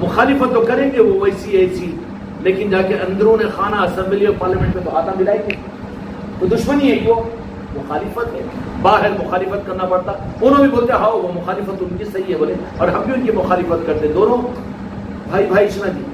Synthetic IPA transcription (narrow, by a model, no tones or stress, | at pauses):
mʊxaːlɪfət̪ːokɐɾẽːɡeʋoʋɐjsieːsi | leːkɪnd͡ʒaːkeʔɐ̃nd̪əɾõnexaːnaɐsɛ̃mbliɔːɾpaːɾlamẽɳʈmẽb̪ɐɦaːt̪ãmɪlaːĩɡe | ʋod̪ʊʃməniɦɛijoː | mʊxaːlɪfət̪ɦɛːbaːɦɪɾmʊxaːlɪfət̪̚kɐɾnapɐɽt̪aʊnõbʱiboːlt̪eɦaːoʋomʊxaːlɪfət̪ʊnkisɐɦiɦɛboːlẽ | ɔːɾɦɐmbʱiʊnkimʊxaːlɪfət̪kɐɾt̪ẽɛ̃d̪oːnõ | bʱaːibʱaːiɪʃnad͡ʒiː